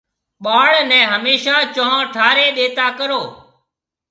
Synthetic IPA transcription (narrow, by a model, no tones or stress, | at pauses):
ɓaːɭnɛ̃ːɦəmeːʃaːt͡ʃəɦãːʈʰaːɾeːɗeːt̪aːkəɾoː